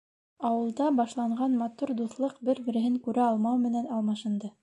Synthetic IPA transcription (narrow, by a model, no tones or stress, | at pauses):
ɑwɤ̆lˠd̪ɑbɑʃlˠɑɴɢɑnmɑt̪uɾd̪uθlˠɤqbɘɾbɘ̆ɾɘ̆ɦɘŋkʉɾʔæɑlˠmɑwmɘ̆nænɑlˠmɑʃɤ̆nd̪ɤ